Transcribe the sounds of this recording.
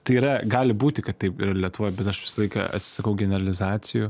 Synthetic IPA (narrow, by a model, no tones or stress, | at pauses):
t̪ɐɪiːɾɐɡɑːlʲɪbuːt̪ʲɪkɐt̪tɐɪpiːɾɐlʲiɛt̪ʊʋoːjbʲɛt̪ɐʃʋʲɪ̥sɐlˠɐɪkɐ̰ɐ̰t̪ʲsʲɪ̥sɐkɐʊɡʲɛnʲɛɾɐlʲɪzɑːt̪t͡s̪ʲɪju